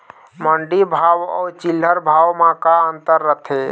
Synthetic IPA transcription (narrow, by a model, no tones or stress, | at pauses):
məɳɖibʱawɔ̰ːɾt͡ʃil̤ːəɾbʱawmãkaənt̪əɾːət̪ʰe